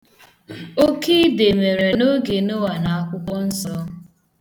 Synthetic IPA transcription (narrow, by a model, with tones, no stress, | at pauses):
o˦ki˦de˨me˨ɾe˨no˦ɡe˨no˦wa˨na˨a˦kʷʊ˦kʷɔ˦n̩˦sɔ˦